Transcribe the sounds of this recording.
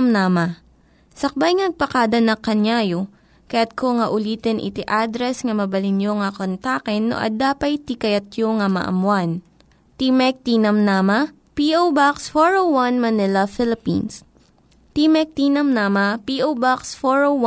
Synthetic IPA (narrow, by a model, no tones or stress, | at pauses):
mnamɐ | sɐk̚bajŋnɐɡ̚pɐkad̪ɐnɐkːɐɲjaːjo | kɐjat̪̚koŋɐʔʊliːt̪ɛnʔɪ̰t̪iʔad̪ɾɛsŋɐmɐbɐlɪnjoŋɐkont̪aːkɛnːo̰ʔɐ̰d̪aːpɐjt̪ikɐjɐt̪joŋɐmɐ̰ʔɐ̰mwan | t̪imɛk̚t̪inɐmnaːmɐ | piʔowbaksfoɹowwanmɐnɪlɐfɪlɪpḭns | t̪imɛk̚t̪iːnɐmnamɐpiʔowbaksfoɹoww